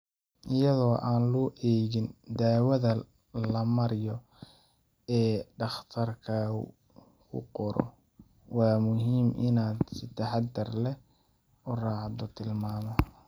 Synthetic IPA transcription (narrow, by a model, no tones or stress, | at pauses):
ʔɪjɐðɔːʔaːnlɔːʔɛːɣɪnd̪aːwɐðɐ | lɐmɐɾjɔ | ɛːɖɑχt̪ʰɐrkʰɐ | kʰʊ̰qɔɾɔ̰ | wɑːmʊɦiːmʔɪnaːd̪sɪt̪ʰɐħɑd̪ɐrlɛ | ʊrɑːʕɑd̪ʊt̪ʰɪlmaːmɔ